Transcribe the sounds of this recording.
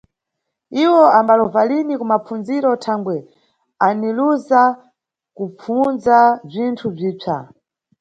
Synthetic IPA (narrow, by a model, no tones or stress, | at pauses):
iwɔambalɔvalinikumapunziɾɔtʰaŋɡwɛ | aniluza | kup͡funzab͡ʐintʰub͡ʐiːb͡ʐʰa̰